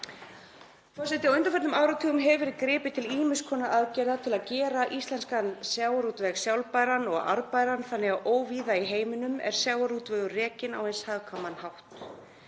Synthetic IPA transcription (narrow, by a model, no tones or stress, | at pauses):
fɔsɪht̪ɪawœnt̪afɛɾt̪nʏmawɾat̪ʰiːɣʏmɦɛvvɛɾɪkɾɪːpɪt̪ʰɪliːmʏskʰɔːnaʔaðcɛjɾðat̪ʰɪlaðcɛːɾaʔist̪lɛnskansjawaɾut̪vɛɣsjawlpaːjɾanɔɣa̰ɾpajɾanθanːɛɣaʔoːwviːðaiɦeːjmɪnʏmɛ̰ɾ̥sjawaɾut̪vɛːɣʏrɛːcɪna̰whejnshaðkʰamːanhawht̪